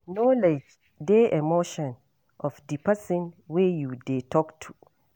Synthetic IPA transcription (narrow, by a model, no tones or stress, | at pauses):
nɔled͡ʒ | deʔɛmoʃɔ̃n | ʔɔfdipasɪ̃nwejudetʰɔktʰu